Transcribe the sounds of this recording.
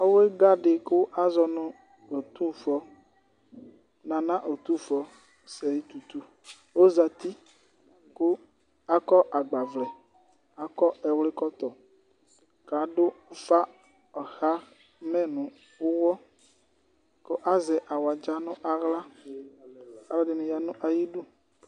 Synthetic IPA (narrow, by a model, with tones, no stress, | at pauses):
o˦we˦ɡa˦ɖe˨ko˦wʔa˦zɔ˨nũ˨ | o˨t̪ũ˦fɔ˦ | nã˨nã˦ʔo˨t̪ũ˦˨fɔ˨ | sɛ˨ji˦t̪u˨t̪u˦ | wo˦za˨t̪i˦ | ko˦ | a˦kɔ˦ʔa˨ɡ͡ba˨vlɛ˨ | a˨kɔ˦ɛ˨wle˦kɔ˦t̪ɔ˨ | ka˨ɖo˦fa˦ | ɔ˨xa˦ | mɛ̃˦nũ˨ | o˦wɔ˦ | ko˦ʔa˦zɛ˨ʔa˨wa˨d͡ʒa˦nũ˦ʔa˨ɣla˦ | a˦lɔ˦ɖe˨nẽ˨ja˨nũ˦ʔa˨ji˦ɖu˦